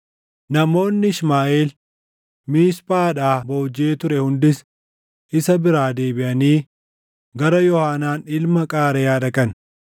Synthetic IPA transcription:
nɐmo̞ːnːɪɪsmaːʔeːl | miːspʼaːᶑaːboːd͡ʒeːt̪ʊɾɛhʊnd̪ɪs | ʔɪsɐbɪɾaːd̪e̞ːbɪʔɐniː | ɡɐɾɐjɔhaːnaːnɪlmɐkʼaːɾɛjaːd̪ɐkɐn

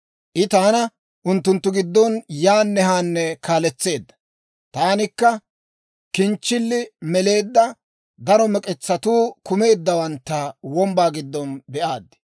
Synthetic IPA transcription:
ʔɪt̪aːnɐ | ʔʊnt̪ːʊnt̪ːʊɡɪd̪ːɔnjaːnːɛhaːnːɛkaːlɛt͡sːe̞ːd̪ːɐ̥ | t̪aːnɪkːɐ | kɪnt͡ʃːɪlːɪmɛle̞ːd̪ːɐ | d̪ɐɾɔmɛkʼɛt͡sːɐt̪uːkʊme̞ːd̪ːɐwɐnt̪ːɐwɔmbaːɡɪd̪ːɔnbɛʔaːd̪ːɪ̥

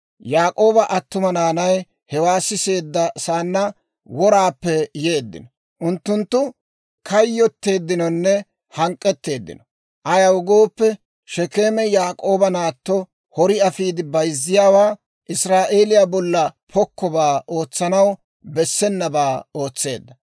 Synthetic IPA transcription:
jaːkʼo̞ːbɐʔɐt̪ːʊmɐnaːnɐj | hɛwaːsɪse̞ːd̪ːɐsaːnːɐ | wɔɾaːpːɛjeːd̪ːɪ̰nɔ | ʔʊnt̪ːʊnt̪ːʊ | kʰɐjːɔt̪ːe̞ːd̪ːɪnɔnːɛ | hɐŋkʼːɛt̪ːe̞ːd̪ːɪ̰nɔ̥ | ʔɐjɐwɡo̞ːpːɛ | ʃɛke̞ːmɛjaːkʼo̞ːbɐnaːt̪ːɔ | hɔɾɪɐfiːd̪ɪbɐjzːɪjaːwaː | ʔɪsɾaːʔe̞ːlɪjaːbɔlːɐpʰɔkːɔbaːʔo̞ːt͡sːɐnɐw | bɛsːɛnːɐbaːo̞ːt͡sːe̞̰ːd̪ːɐ

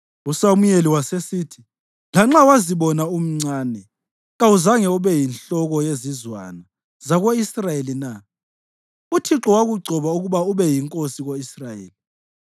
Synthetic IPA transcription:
usamujeliwasesiːtʰi | laŋ͡ǁawaziβɔnaum̩ŋ͡ǀaːnɛ | ɣauzaŋɛuβɛjinɬɔɣɔjezizwa̰na | zaɣoisrajelina | utʰiǁɔwaɣuɡ͡ǀʱɔβauɣuβauβɛjiŋkʼosiɣoisrajḛːli

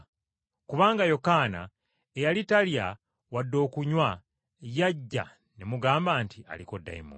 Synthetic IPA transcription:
kuβaːŋɡajo̞kaːna̰ | ejalitalja | wadːo̞ːkuɲwa | jaɟːa̰ | nemuɡaːmbaːntia̰liko̞dːa̰imṵ

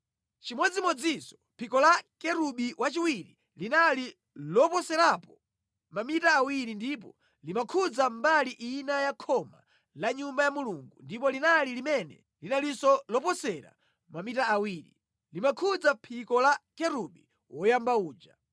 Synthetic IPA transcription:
t͡ʃimɔd͡zimɔd͡zisɔ̥pʰikɔlakɛɾuɓiwʔat͡ʃiwiɾi | linali | lɔpɔsɛɾapɔ | mamitaːwiɾindipɔ | limakʰud͡zambaliʔinajakʰɔma̰ | laɲumbajamuluŋɡundipɔlinalilimɛnɛ̰ | linalisɔlɔpɔsɛɾa̰ | mamitaːwiːɾḭ | limakʰud͡zapʰikɔlakɛɾuɓi | wɔjambauːd͡ʒa̰

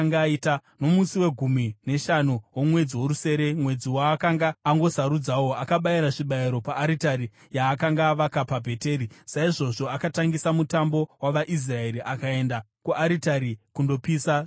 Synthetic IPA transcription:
ŋɡaitano̞musiwe̞ɡʱumine̞ʃanuwomwe̞d͡ziwoɾuse̞ɾe̞mwe̞d͡ziwaːkaŋɡaːŋɡo̞saɾud͡zawo̞akaɓajiɾaʐiɓaiɾo̞paʔːɾitaɾi | jaːkaŋɡaːʋakapabʱe̞te̞ːɾisaiʐo̞ʐo̞akataŋɡisamutambo̞waʋaʔis̬rae̞ɾiʔakae̞nda | kuʔaɾitaɾikundo̞piːsa

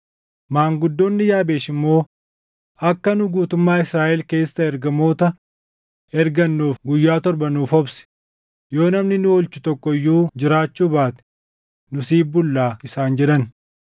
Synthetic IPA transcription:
maːŋɡʊd̪ːoːnːɪjaːbe̞ːʃɪmːo̞ː | ɐkːɐnʊɡuːt̪ʊmːaːɪsɾaːʔɛlke̞ːsːɐɛɾɡɐmo̞ːt̪ɐ | ɛɾɡɐnːuːfɡʊjːaːt̪ɔɾbɐnuːfɔbsɪ̥ | jo̞ːnɐmnɪnʊɔlt͡ʃʊ̥t̪ɔkːɔjːuːd͡ʒɪɾaːt͡ʃːuːbaːt̪ɛ̥ | nʊsiːbʊlːaːɪsaːnd͡ʒɛᶑɐn

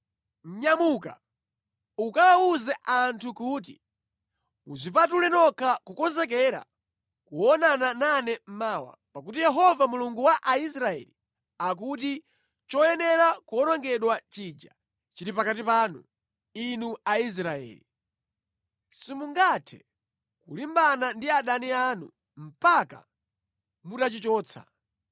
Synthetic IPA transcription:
m̩ɲamuka̰ | ukawauzɛʔantʰukuːt̬ḭ | uzʷipatulɛnɔkʰakukɔnzɛk̬ɛɾa̰ | kuɔnanananɛm̩maːwa̰pak̬utijɛɦɔvamuluŋɡuwaʔais̬ɾaɛ̰li | ak̬ut̬i | t͡ʃɔjɛnɛɾakɔnɔŋɡɛɗwat͡ʃid͡ʒa̰ | t͡ʃiɾipakatipaːnu | inuais̬ɾaɛ̰ːli | simuŋɡatʰɛ̥̰ | kulimbanandiaɗaniaːnṵ | m̩paka̰ | mutat͡ʃit͡ʃɔːt͡sʰa̰

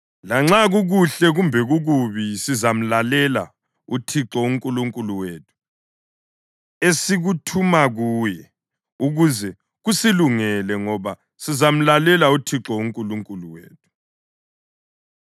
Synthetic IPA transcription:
laŋ͡ǁaɣuɣuɬɛɣumbʱɛɣuɣuβisizam̩lalɛla̰ | utʰiǁɔuŋkʼuluŋkʼuluweːtʰu̥ | esiɣutʰumaɣuːjɛ | uɣuzɛ | ɣusiluŋɛlɛŋɔβa | sizam̩lalɛlautʰiǁɔuŋkʼuluŋkʼuluwḛːtʰu̥

